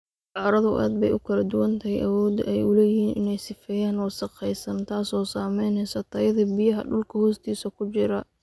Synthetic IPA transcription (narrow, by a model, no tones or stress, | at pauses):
ʔɑːɾɐðʊ̰ʔa̰ːd̪bɛ̰jʔʊkʰɐlɐd̪ʊwɐnt̪ʰɐɦɛjʔɐwɔːd̪̰ʔɛjʊlɛːjɪhiːnʔɪnɛjsɪfɛːjaːnwɔːsɐqɛjsɐnt̪ʰaːsɔːsaːmɛjnhɛsɐt̪ʰɐjɐðɐbɪjɐɦɐ̰ɖʊlkʰɐhɔːst̪ʰiːsɐkʰʊt͡ʃɪɾɐ